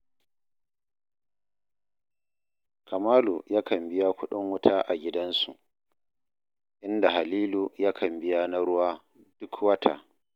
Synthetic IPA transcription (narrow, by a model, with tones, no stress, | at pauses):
ka˨maː˦lu˨jaː˦kɐ˨mbɪ˦ja˦kʷʊ˦ɗɪ˦ŋwʊ˦tʰaː˦ʔa˨ɡʲɪ˦dɐ˦nsu˨ʔ | ʔɪ˦nda˨ha˨liː˦luː˨jaː˦kʰɐ˨mbɪ˦ja˦na˦ɽʊ˦waː˦ | d̥ʊ˦kwɐ˦tʰa̰ː˨